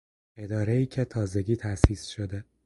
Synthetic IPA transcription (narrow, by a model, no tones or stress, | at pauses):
e̞d̪ɒːɾeiːcʰet̪ʰɒːze̞ɟiːt̪ʰæshiːsʃo̞d̪e